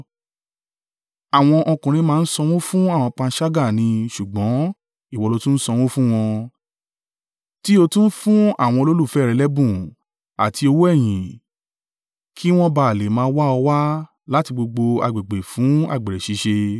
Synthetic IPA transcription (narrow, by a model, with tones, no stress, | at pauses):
a˨w̃ɔ̃˧ʔɔ˧kũ˨ɾ̃ĩ˧mãː˦˧n̩˦sɔ˧w̃ɔ̃˦fũ˦a˦˨w̃ɔ̃˧k͡pã˧˦ʃa˦ɡa˦˨nĩ˧ʃu˨ɡ͡bɔ̃˨˦ | i˦˨wɔ˨˧lo˧tũ˦n̩˦sɔ˧w̃ɔ̃˦fũ˦w̃ɔ̃˧ | ti˦o˧tũ˦n̩˦fũ˦a̰˦˨w̃ɔ̃˧lo˦lu˦˨fɛ˦˨ɾɛ˧lɛ˦bũ˦˨ | a̰˨ti˧o˧wo˦ɛ˦˨j̃ĩ˨ | kʰi˦w̃ɔ̃˦ba˨a˨le˨mãː˧˦wa˦ɔ˧wa˦ | la˦ti˧ɡ͡bo˧ɡ͡bo˧a̰˧ɡ͡be˨ɡ͡be˨fũ˨˦a̰˦˨ɡ͡be˨ɾɛ˨ʃi˨˧˦ʃe˧